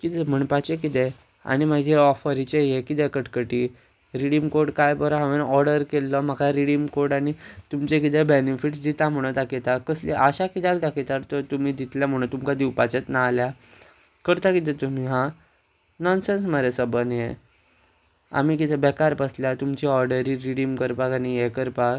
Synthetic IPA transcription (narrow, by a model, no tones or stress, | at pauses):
kit̪ɛm̤əɳpat͡ɕek̬it̪ɛ | a̰ñimad͡ʑʱeɔfəɾit͡ɕejekit̪ɛkəʈkəʈi | ɾiɽimkoɾɽkajpəɾɦãʋenɔɾɽəɾkelːɔm̤əkʰaɾiɽimkoɾɽañit̪umt͡ɕekit̪ɛbenifiʈsd̪it̪am̤əɽ̃ət̪aket̪akəslḭʔəɕakit̪akd̪akʰit̪əɾt̪ət̪umiːd̪it̪ljam̤əɽ̃ũt̪umkad̪iwpat͡ɕet̪nalja | kəɾt̪akit̪̬ɛt̪um̤iɦã | nɔnsens̬məɾesəbənje | a̰m̤ikit̪ɛbɛkaɾpəsljat̪umt͡ɕiɔɾɖəɾiɾiɽimkəɾpakañijɛkəɾpa